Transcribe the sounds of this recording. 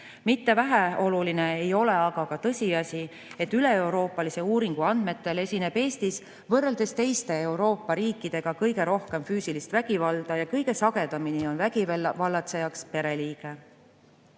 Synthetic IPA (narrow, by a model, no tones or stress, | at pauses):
mit̪ːe̞væɦæo̞luline̞ejo̞le̞ɑɡ̥ɑkɑt̪ɤsʲiɑsʲi | e̞t̪ːyle̞ewɾo̞ːpːˑɑlise̞uːɾiŋɡ̥uɑnd̪̥me̞t̪ːˑe̞le̞sʲineb̥e̞ːst̪is | vɤrːe̞ld̪e̞st̪e̞jst̪e̞e̞wɾo̞ːpːɑɾiːkˑːid̪̥e̞ɡ̥ɑkɤjɡe̞ɾo̞hke̞mfyːsilist̪væɡ̥ivɑld̪̥ɑjɑkɤjɡe̞sɑɡ̥e̞d̪̥ɑminio̞nvæɡivɑlːɑt̪se̞jɑkspe̞ɾe̞liːɡ̥e̞